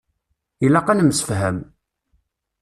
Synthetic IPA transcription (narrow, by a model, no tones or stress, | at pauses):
ilæqænəməsə̥fɦæm